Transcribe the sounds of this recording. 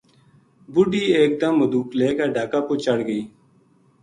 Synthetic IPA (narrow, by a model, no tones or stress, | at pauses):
bʊɖiːeːk̚d̪əmːəd̪uːkleːkaːɖaːkaːpoːt͡ʃəɽɡəiː